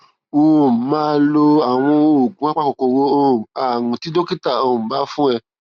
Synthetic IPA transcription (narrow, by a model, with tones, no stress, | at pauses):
o˧o˨mã˦lo˧a˨w̃ɔ̃˧o˨ɡũ˨˦a˦k͡pa˦ko˨ko˧wo˦o˦˨a˨nũ˨ti˨˦do˦ki˦ta˨o˧˨ba˦fũ˦ɛ˧